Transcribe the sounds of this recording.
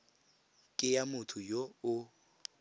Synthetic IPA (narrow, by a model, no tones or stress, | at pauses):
kʼɪjamʊtʰʊjoʊ